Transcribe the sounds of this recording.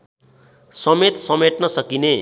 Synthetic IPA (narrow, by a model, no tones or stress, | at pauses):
sʌmet̪sʌmeʈnʌsʌkine